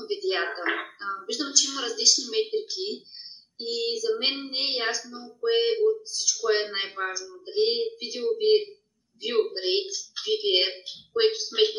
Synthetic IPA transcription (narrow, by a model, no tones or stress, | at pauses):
vid̪ɛjat̪əviʒd̪əmt͡ʃɛiməɾɐzlit͡ʃnimɛt̪ɾikʲi | izɐmɛnːɛjasnokoɛʔot̪si̥t͡ʃkoɛnajvaʒnod̪ɐlivid̪ɛovi | vioɡɾejt̪vid̪iɛkoɛt̪ʊ̥smɛt̪n